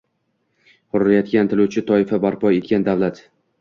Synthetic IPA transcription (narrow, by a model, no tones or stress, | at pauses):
hʊɾɾajɒt̪kʲant̪ʰɪlʊt͡ʃʰɪt̪ʰɒɪfabaɾpʰɒe̞t̪̚kʲand̪awlat̪